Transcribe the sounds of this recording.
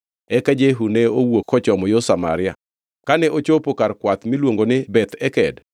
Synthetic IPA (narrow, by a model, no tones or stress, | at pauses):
ɛkad͡ʒeɦunɛowokʰːɔt͡ʃɔmɔjosama̰ɾɪja̰ | kanɛʔot͡ʃopokaɾkwat̪milwoŋɡonɪbɛt̪ɛkɛd